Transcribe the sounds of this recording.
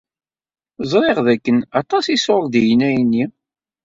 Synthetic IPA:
zˤɾˤeʁðækːənɑt̪ˤɑsisoɾˤd̪ijnæjnːi

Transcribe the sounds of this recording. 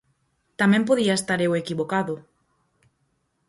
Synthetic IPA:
t̪amẽmpoðiaest̪aɾewekiβokaðʊ

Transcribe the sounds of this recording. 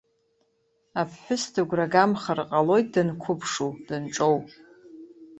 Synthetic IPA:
apʰːɨstʰɨɡʷraɡamχarqʼalo̞jt̚ʰʼdɨnkʷʰʊpʰʂud̥ɨnʈ͡ʂʼowpʼ

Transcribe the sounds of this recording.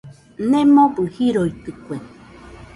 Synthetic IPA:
nẽmõbɨhiɾoit̪ɨkʷe

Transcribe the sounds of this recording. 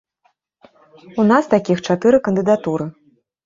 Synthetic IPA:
unast̪akʲixt͡ʂat̪ɨɾɨkɐnd̪ɨd̪at̪uɾɨ

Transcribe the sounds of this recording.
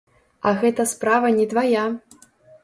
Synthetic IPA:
ɐɣɛt̪ɐspɾavɐnʲɛd̪vaja

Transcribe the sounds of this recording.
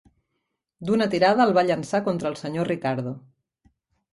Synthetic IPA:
d̪unət̪iɾað̞əːlˠβaʎənsakont̪ɾəːlˠsəɲorikaɾð̞o

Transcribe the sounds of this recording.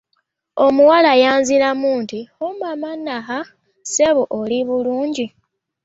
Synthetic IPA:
o̞muwalajaːnzilamuntiomamanːaxa | seβoʔoliβuluːɲɟi

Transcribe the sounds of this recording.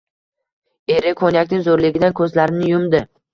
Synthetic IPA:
e̞ɾɪkʰonjakʲnɪŋzoɾlɪɡʲɪd̪ankʰɵzlaɾɪnɪjʊmd̪ɪ

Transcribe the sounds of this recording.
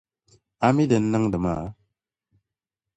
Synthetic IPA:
amidenːaŋdəma

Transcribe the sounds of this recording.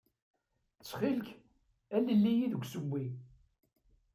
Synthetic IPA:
t͡sːχilk | æləlːijiðəɡʷsəmːi

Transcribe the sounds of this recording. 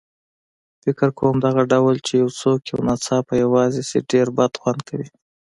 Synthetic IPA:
fɪkɪɾkʰowamd̪aɣaɖawlt͡ʃejawt͡sokja̰wnat͡sɑpajawɑzesḛɖeɾbad̪xwand̪̚kʰawi

